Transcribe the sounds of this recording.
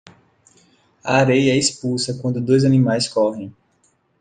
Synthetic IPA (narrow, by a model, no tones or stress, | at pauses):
ɐ̰aɾejɐɛispulsɐkwɐ̃nd̪ʊd̪ojzɐnĩmajskɔɦẽj̃